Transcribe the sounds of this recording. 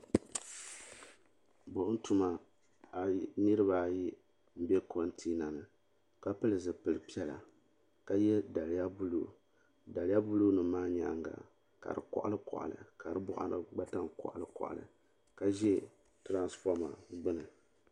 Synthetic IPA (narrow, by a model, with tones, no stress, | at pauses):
bʊ˨ʔn̩˦tu˨ma˨ | nɨ˦ɾɨ˦βa˨ji˦ | m̩˦bɛ˦ko˨n˦tʰi˦na˨nɨ˨ | ka˦pɨ˦lɨ˨zɨ˨pɨ˨lɨ˨pi˦ɛ˦la̰˨ | ka˦jɛ˦da˨lja˦bu˦lṵ˦˨ | da˨lɪ˦ja˦bu˦lu˦nɨ˨maː˦ɲa̰˨˦ŋɡa̰˨ | ka̰˨ɾɨ̰˨kɔ̰˨ʔa̰˦lɨ˦kɔ̰˨ʔa̰˨lɨ̰˨ka˨ɾɨ˦bʊ˦ʔa̰˨nɨ˦ɡ͡ba˦ta˦ŋkɔ̰˨ʔa˨lɨ˨kɔ̰˨ʔa̰˨lɨ̰˨ | ka˨ʒɛ˦ | tɾa˦nsfɔ˦ma̰˨ɡ͡bɨ˦nɨ˨